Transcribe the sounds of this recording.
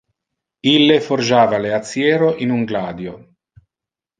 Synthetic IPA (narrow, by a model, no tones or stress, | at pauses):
ilːeford͡ʒaːvaleat̪sːjɛːɾoʔinuŋɡlaːd̪jo